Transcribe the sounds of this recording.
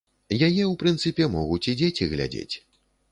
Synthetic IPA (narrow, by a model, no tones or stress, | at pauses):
jajɛwpɾɨnt̪sɨpʲɛmɔɣut͡sʲid͡zʲet͡sʲiɣlʲa̰d͡zʲḛt͡sʲ